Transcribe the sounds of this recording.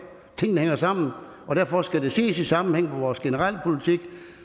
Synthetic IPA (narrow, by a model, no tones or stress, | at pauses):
t͡sʰe̝ŋ̰n̩heŋɐsɑ̈m̰n̩ | ʔɒ̽d̥æɐfɒ̽sɡ̥æde̝sḭːsisɑ̈mn̩heŋ̰meʋɒːsɡ̥enəʁɑl̰pʰo̝lit͡sʰiɡ̥